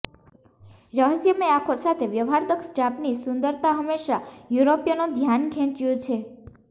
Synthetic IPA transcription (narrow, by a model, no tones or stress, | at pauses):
ɾəɦəsjəmeakʰosat̪ʰeʋjəʋɦaɾd̪əksd͡ʒapnisʊnd̪əɾt̪ʰaɦəmːeʃajuɾopjanod̪ʱjanɡʰʱẽt͡ʃjõt͡ʃʰe